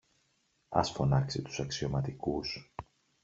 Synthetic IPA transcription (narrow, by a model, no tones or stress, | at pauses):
ɐ̰sfo̞nɐksit̪u̥sɐksio̞mɐt̪ikus